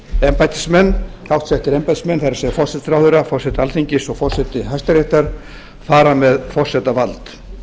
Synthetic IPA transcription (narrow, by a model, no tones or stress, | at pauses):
ɛmpajt̪ɪ̥smɛnːkʰawht̪sɛht̪ɪɾɛmpajt̪ɪ̥smɛnːθajɾasɛjɣafɔr̥sɛt̪sɾawðʏɾafɔr̥sɛt̪ɪalθiɲcɪsɔɣfɔr̥sɛt̪ɪɦajst̪aɾɛht̪aɾ̥ | faːɾamɛðfɔr̥sɛt̪avalt̪